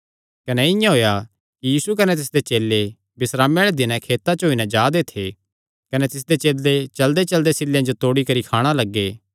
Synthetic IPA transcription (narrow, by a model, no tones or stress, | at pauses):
kɐnɛɪjãɦoːja | kijiːsuk̬ɐnɛt̪̬ɪsd̪et͡ʃeːlːe | bɪsɾaːmeːɭed̪ɪnɛ̃kʰeːt̪at͡ʃooːinɛ̃d͡ʒaːd̪et̪ʰe | kɐnɛt̪ɪs̬d̪et͡ʃeːld̪et͡ʃɐld̪et͡ʃɐld̪esɪljãd͡ʒot̪oːɽikɐɾikʰaːɽ̃alɐɡːeː